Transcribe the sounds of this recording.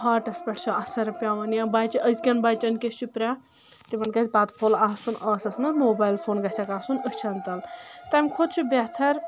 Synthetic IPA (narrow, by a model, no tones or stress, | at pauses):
ɦaːʈɐspʲɐʈʰt͡ʃʰɐɐsɐɾɐpʲjaːʋɐnjabaːt͡ʃiʔəsɡʲɐnbaːjt͡ʃʲɐnkʲesʲt͡ʃʰipɾʲa | t̪imɐnkɐsʲbaːt̪pʰoːlaːsunɐːsɐsmɐmoːbaːjlfʰoːnɡɐsʲɐkaːsunət͡ʃʰɐnt̪ɐlt̪ɐmʲkʰod̪̚t͡ʃʰibʲet̪ʰɐɾ